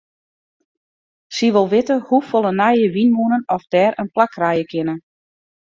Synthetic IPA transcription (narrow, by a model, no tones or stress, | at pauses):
siʋolˠʋɪtəhufolˠənajəʋinmunənɔfdɛːɾʔənplakrajəkʰɪnə